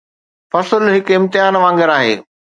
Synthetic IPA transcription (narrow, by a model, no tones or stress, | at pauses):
fɐsəlɦɪkɪ̃mt̪ɪɦaːnʋãːŋɡɪɾaːɦḛː